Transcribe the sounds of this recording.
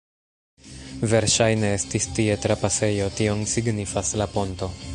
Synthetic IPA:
ve̞ɾʃajne̞e̞stistie̞tɾapase̞jo̞tio̞nsiɡnifaslapo̞nto̞

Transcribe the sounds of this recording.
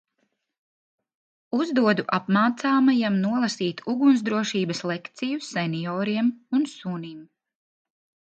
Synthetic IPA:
uzd̪uɔd̪uʔapmaːt̪saːmajamnuɔlˠasiːt̪uɡunzd̪ɾuɔʃiːbɐslˠɛkt̪sijusɛniɔːɾiɛmunsunim

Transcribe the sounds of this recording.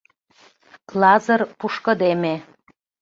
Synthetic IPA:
klɑzərpuʃkɤ̆d̪eme

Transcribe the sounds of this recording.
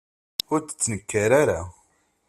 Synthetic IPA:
ʊɾt͡sə̥t͡sːnəkːaɾaɾa

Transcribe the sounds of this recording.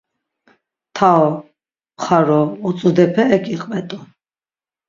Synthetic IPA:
t̪ʰaɔ | χaɾɔːt͡sʼud̪ɛpʰɛːkʰʼiqʼmɛt̪ʼu

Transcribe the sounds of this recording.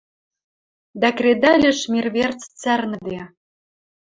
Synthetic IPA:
d̪ækred̪ɑlʲɘ̆ʃmʲirβert͡st͡særnə̆d̪e

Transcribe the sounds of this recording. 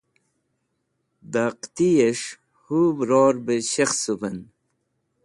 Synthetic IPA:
d̪aqt̪ijeʂ | hubɾoːɾbeɕexsupɐn

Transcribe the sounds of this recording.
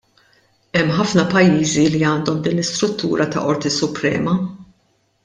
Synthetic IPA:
ɛmːħɐfnɐpɐjːiːziliɐːnd̪ɔmd̪iːnlɪst̪ɾʊt̪ːuːɾʔɐt̪ɐ̰ʔɔɾt̪isʊpɾɛ̰ːmɐ

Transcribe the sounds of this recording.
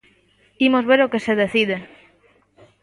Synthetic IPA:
imozβeɾokeseðeθið̞e

